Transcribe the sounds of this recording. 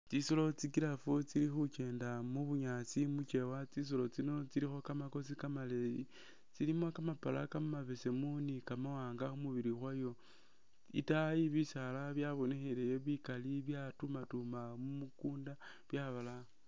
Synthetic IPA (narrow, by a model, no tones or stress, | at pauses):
t͡sisolo̞t͡sikilafut͡silixut͡ʃe̞ːndamuβuɲat͡simut͡ʃe̞wat͡sis̬olo̞t͡sino̞t͡siɾixo̞kamako̞sikamaleji | t͡silimokamapala̰kamaβe̞se̞munikamawaːŋɡaxumuβiɾixwajo̞ | ḭtajiβisalaβjaβo̞nexelejeβikaliβjatumatumamumukuːnda | βjaβala